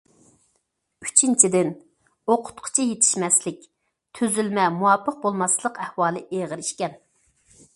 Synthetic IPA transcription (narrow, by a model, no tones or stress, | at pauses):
y̥t͡ʃʰint͡ʃʰid̪ɪn | oqʰʊ̥t̪qʰʊ̥t͡ʃʰijet̪ʰɪ̥ʃmɛslɪk̚ʲ | t̪ʰøzylmɛmuwɑpʰəq̚bolˠmɑslˠəqɛhwɑːlˠɨʔeʁəɾiʃkʲɛn